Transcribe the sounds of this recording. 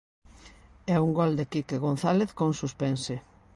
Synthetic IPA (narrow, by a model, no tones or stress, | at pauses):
ɛuŋɡɔld̪ekikeɣonθaleθkoŋsuspɛnse